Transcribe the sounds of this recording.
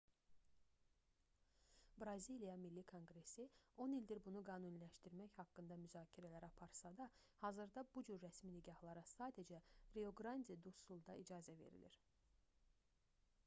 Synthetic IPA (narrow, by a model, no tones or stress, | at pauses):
bɾɑzilijɑmilːikʰo̞ŋɡɾe̞sio̞nild̪iɾbunuɡɑːnunlæʃt̪iɾmæçhɑkːɯnd̪ɑmyzɑːcʰiɾælæɾɑpʰɑɾsɑd̪ɑ | hɑːzɯɾd̪ɑbud͡ʒyɾːæsminiɟɑhlˠɑɾɑsɑːd̪ed͡ʒæɾeo̞ɡɾɑnd̪ʲid̪usulˠd̪ɑid͡ʒɑːzæve̞̰ɾḭlḭɾ̥